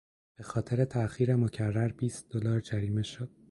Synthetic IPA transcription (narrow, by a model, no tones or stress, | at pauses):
b̥e̞xɒːt̪ʰe̞ɾe̞t̪ʰæxiːɾemocʰærːæɾbiːst̪̚d̪̥olɒːɾd͡ʒæɾiːme̞ʃod̪̥